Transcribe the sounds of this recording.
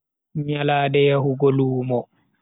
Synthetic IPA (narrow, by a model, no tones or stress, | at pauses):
ɲalaːdɛjahuɡoluːmɔ